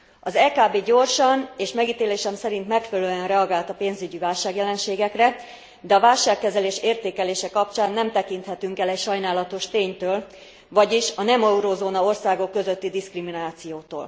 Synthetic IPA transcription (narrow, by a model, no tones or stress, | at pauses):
ɒzɛːkaːbeːɟo̞rʃɒneːʃmɛɡiːt̪eːleːʃɛmsɛɾint̪mɛkfɛlløyɛnrɛɒɡaːlt̪ɒpeːnzyɟivaːlʃaːɡjɛlɛnʃeːɡɛkrɛ | d̪ɛɒvaːlʃaːkːɛzɛleːʃeːrt̪eːkɛleːʃɛkɒp̚t͡ʃaːnːɛmt̪ɛkint̪hɛt̪yŋkɛlɛcʃɒjnaːlɒt̪o̞ʃt̪eːɲt̪øːl | vɒɟiʃɒnɛmɒuɾozoːnɒo̞rsaːɡo̞kːø̞zøt̪ːid̪iskriminaːt̪sijoːt̪o̰ːl